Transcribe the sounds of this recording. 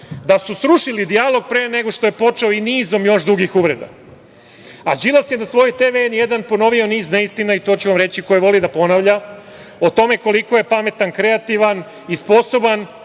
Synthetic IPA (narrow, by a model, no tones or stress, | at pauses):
d̪asusɾuʂilid̪ialˠo̞ɡ̚pɾeːneɡo̞ʂt̪ojepo̞t͡ʂeoiniːzo̞mjo̞ʃd̪ɾuɡixuʋɾḛd̪a̰ | ad͡ʑilˠasjenasʋo̞jot̪eʋeenjed̪anpo̞no̞ʋio̞niːzneist̪inait̪o̞t͡ɕuʋamɾet͡ɕiko̞jiʋo̞lid̪apo̞naʋʎa | ot̪o̞me̞ko̞liko̞je̞pame̞t̪ankɾe̞at̪iʋan | ispo̞soban